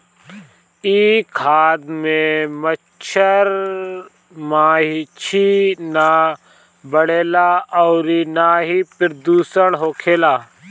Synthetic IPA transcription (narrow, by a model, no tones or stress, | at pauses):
iːkʰaːd̪mẽmə | t͡ʃʰəɾ | mãːɦit͡ʃʰina | bəɽeːlaɔːɾinaːɦipɾd̪uːsəɽɦoːkʰeːlaː